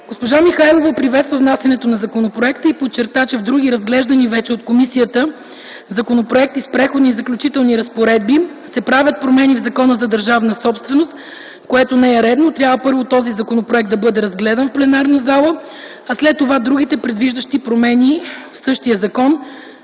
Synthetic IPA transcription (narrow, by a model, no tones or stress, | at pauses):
ɡ̥ospoʒamixajlˠovɐpɾivɛt̪st̪vəvnasɛnɛt̪onɐzɐkonopɾoɛkt̪əipott͡ʃːɛɾt̪at͡ʃɛvd̪ɾuɡ̟iɾɐzɡlɛʒd̪ɐnivɛt͡ʃɛot̪komisijət̪ə | zɐkonopɾoɛk̚t̪ispɾɛxod̪nizɐklʲut͡ʃit̪ɛlˠniɾɐspoɾɛd̪̚bi | sɛpɾavʲjət̪̚pɾomɛnivzɐkɔnəzɐd̪əɾʒavnəsɔpst̪vɛnost̪ | koɛt̪onɛɛɾɛd̪not̪ɾʲabvəpɤɾvot̪ɔzizɐkonopɾoɛk̚t̪d̪ɐbɤd̪ɛɾɐzɡlɛd̪ɐnfplɛnaɾnəzalˠə | ɐslɛt̪ːovad̪ɾuɡ̟it̪ɛpɾɛd̪viʒd̪əʃt̪ipɾomɛnifsɤʃt̪iəzɐkɔn